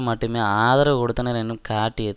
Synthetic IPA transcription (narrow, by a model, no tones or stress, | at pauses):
mɐʈːɯmeːaːðɐɾɐkɔɽut̪ːɐnɐɾenːumkaːʈːijɐt